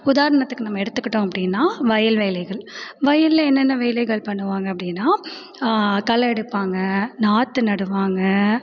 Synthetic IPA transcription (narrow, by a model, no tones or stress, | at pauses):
ʊðaːɾɐɳɐt̪ːɯkːɯnɐmːɐɛɽɯt̪ːɯkːɪʈːõːɐpːɐɽɪnːaːʋɐjɐlʋeːlɐɪɣɐɭʋɐjɐllɐɛnːɛnːɐʋeːlɐɪɣɐɭpɐɳːɯʋaːŋɡɐɐpːɐɽɪnːaː | kɐlɐɛɽɯpːaːŋɡɐnaːt̪ːɯnɐɽɯʋaːŋɡɐ